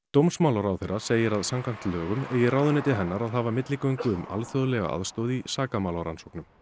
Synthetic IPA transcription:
t̪owmsmawlawɾawθejraseːjɪɾaðsamkan̥t̪lœːɣʏmeːjɪrawðʏnɪt̪ɪɦɛnːaɾaðɦaːvamɪt̪lɪkœjŋkʏʏma̰lθjɔðlɛɣa̰ʔa̰ðst̪oːðisaːkamawlawɾa̰nsowknʏm

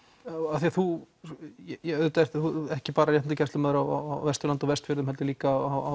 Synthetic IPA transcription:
aθiaθu | jɛjɛɣœðʏt̪aɛt̪θuɛhcɪpaːɾajɛh̪t̪acɛst̪ʏmɛːðʏɾawa̰wa̰wvɛst̪ʏlant̪ɔvɛst̪fɪɾðʏmhɛlt̪ɪliːkaaa

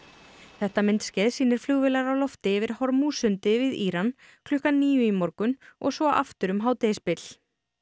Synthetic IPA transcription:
θɛht̪amɪnt̪scɛːðsiːnɪɾ̥flʏɣvɪlaɾawlɔft̪ɪvɪɾ̥hɔɾmusʏnt̪ɪvɪðiːɾan | kʰlʏhkaniːjʏimɔɾkʏnɔ̰ɣsvɔʔa̰ft̪ʏɾʏmɦaːwt̪ɛspɪl̥

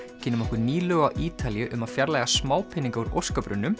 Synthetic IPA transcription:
cʰɪːnʏmɔhkʏɾniːlœɣawʔiːt̪aljʏʔʏmaðfjaɾlaːjɣasmaːwpʰɪnːiŋkauɾo̰wskapɾʏ̰nːʏm

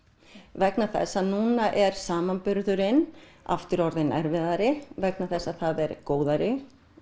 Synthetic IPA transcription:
vɛknaθɛ̰sːanuːnaʔɛɾ̥saːmanpʏɾðʏɾɪna̰ft̪ɪɾɔɾðɪnɛɾvɪðaɾɪvɛknaθɛsːaθaðɛɾkoːwðaɾɪ

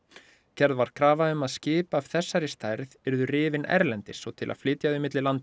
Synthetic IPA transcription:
cʰɛɾðvaɾ̥kʰɾaːvaʏmaðscɪːpaːv̥θɛsːaɾɪst̪ajɾðɛɾðʏrɪːvɪnɛ̰ɾlɛnt̪ɪsɔt̪ʰɪla̰ðflɪːt̪jaðʏmɪt̪lɪlant̪ɪ

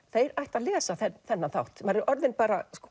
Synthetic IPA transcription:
θejɾajht̪aðlɛːsaθɛθɛnːaθa̰wht̪maːɾɪɾʔɔɾðɪnpaːɾas

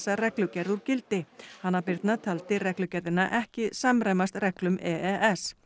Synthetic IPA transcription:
sarɛklʏcɛɾðuɾcɪlt̪ɪhanːapɪɾt̪nat̪ʰalt̪ɪrɛklʏcɛɾðɪnːaʔɛhcɪsamɾejmast̪rɛklʏmɛɛʔɛs

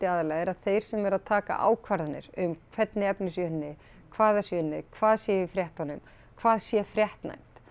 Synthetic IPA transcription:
t̪ɪaːðalɛɣɛɾaðθejɾ̥sɛmɛɾaðt̪ʰaːka̰ʔa̰ːwkʰvaɾðanɪ̰ɾʏmkʰv̥ɛt̪nɪɛpnɪsjœnnːɪ | kʰvaːðasjœːnːɪkʰvaːðsjɛɪvɪfɾjɛht̪hɔnːʏm | kʰvaːðsjɛfɾjɛht̪na̰jm̥t̪

